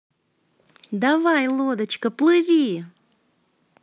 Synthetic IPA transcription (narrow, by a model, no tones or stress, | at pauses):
d̪avajlˠod̪ət͡ʃkəplɨɾʲi